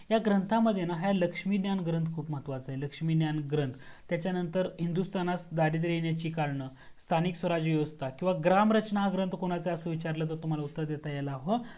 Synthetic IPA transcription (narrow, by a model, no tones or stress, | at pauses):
jaɡɾənt̪ʰaməd̪ʱjenaɦaləkʂmiːd̪janɡɾənt̪ʰkʰuːpm̤ət̪ʋat͡saɦeləkʂmiːnjanɡɾənt̪ʰt̪jat͡ɕjanənt̪əɾɦind̪ust̪anat͡sd̪aɾit̪ɾenjat͡ɕiːkaɾɳə | st̪ʰaniksʋəɾad͡ʑʋiʋəst̪akĩw̃ʋaɡɾamɾət͡ɕnaɦaɡɾənt̪koɽ̃at͡səəsəʋit͡ɕaɾlət̪əɾt̪um̤alaut̪ːəɾd̪jet̪ajalaːɦo